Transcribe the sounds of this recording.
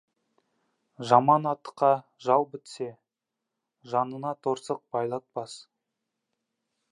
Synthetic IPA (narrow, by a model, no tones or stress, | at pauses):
ʒɑmɑnɑt̪ːə̥qːɑʒɑlˠbɪt̪se̞ | ʒɑnənɑt̪ʰoɾsəq̚bɑjlˠɑt̪̚bɑs